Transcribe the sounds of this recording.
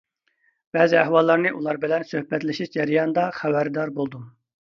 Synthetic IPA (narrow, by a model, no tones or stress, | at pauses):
b̥ɛːzɪæhwɑlˠːɑɾnɨʔulˠɑɾbɪlɛnsøhpɛt̪lɪʃiʃd͡ʒɛɾijɑnd̪ɑχæbæɾd̪ɑɾbolˠd̪um